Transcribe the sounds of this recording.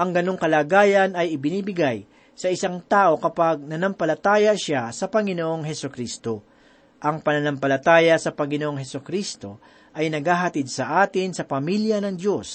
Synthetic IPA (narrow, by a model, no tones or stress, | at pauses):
ʔɐŋɡɐno̞ŋkɐlaːɡaːjɐnɐjɪbɪniːbɪɡaj | sɐɪsaŋt̪aːʔo̞kɐpaɡ̚nɐnɐmpɐlɐt̪aːjɐʃasɐpɐŋɪnoʔoŋɦɛsokɾiːst̪o̞ | ʔɐŋpɐnɐnɐmpɐlɐt̪aːjɐsɐpɐŋɪnoʔoŋɦɛsokɾist̪o̞ | ʔɐjnɐɡhaːɦɐt̪ɪd̪̚sɐʔaːt̪ɪnsɐpɐmiljɐnɐŋd̪jo̞s